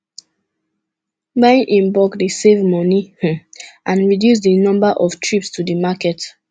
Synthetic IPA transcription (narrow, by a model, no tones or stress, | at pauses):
bãnʔĩnbɔkdisevmɔni | ʔãnɹidjus̬dənɔ̃mbaʔɔftʰɹipstudimakɛt